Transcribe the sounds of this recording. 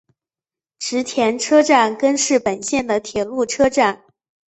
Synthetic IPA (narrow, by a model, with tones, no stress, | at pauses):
ʈ͡ʂɻ̩˧˥t̪ʰjɛ˧˥nʈ͡ʂʰɤ˥ʈ͡ʂa˥˩nkə˥nʂɻ̩˥˩pə˨˩nɕjɛ˥˩nd̪ə˩t̪ʰjɛ˨˩lu˥˩ʈ͡ʂʰɤ˥ʈ͡ʂa˥˩n